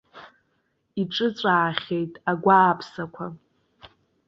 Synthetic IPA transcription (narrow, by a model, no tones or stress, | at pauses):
iʈ͡ʂʼɨt͡sʷʼaːχʲe̞jtʼaɡʷaːpʰsakʷʰa